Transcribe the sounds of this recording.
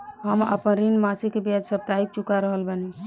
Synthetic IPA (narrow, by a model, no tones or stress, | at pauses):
ɦəmə̰pənɾinmasikebjad͡ʒsəb̚t̪aik̚t͡ʃukaɾəɦəlbəne